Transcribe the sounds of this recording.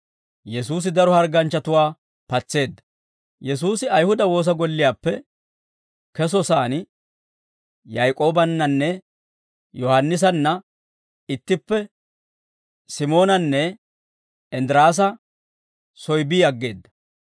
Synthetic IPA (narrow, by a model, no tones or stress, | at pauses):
jɛsuːs̬ɪd̪ɐɾɔhɐɾɡɐnt͡ʃːɐt̪ʊwaː | pɐt͡sːe̞ːd̪ːɐ̥ | jɛs̬uːsɪɐjhʊd̪ɐwo̞ːs̬ɐɡɔlːɪjaːpːɛ | kɛsɔsaːn | jajkʼo̞ːbɐnːɐnːɛ | jɔhɐnːɪs̬ɐnːɐ | ɪt̪ːɪpːɛ | sɪmo̞ːnɐnːɛ | ɛnd̪ɾaːs̬ɐ | sɔjbiːɐɡːe̞ːd̪ːɐ̥